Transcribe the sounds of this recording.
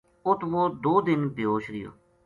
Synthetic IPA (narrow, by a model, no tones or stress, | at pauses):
ʊt̪ʰʋoːd̪oːd̪ɪnbɪoːʃɾɪjo̰ː